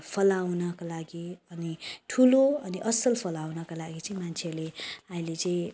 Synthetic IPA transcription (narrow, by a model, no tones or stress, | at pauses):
pʰʌlawnʌkalaɡiʌniʈʰuloʌniʔʌsʌlpʰʌlawnʌkalaɡit͡sʌĩmant͡sʰeleaĩlet͡sʌĩ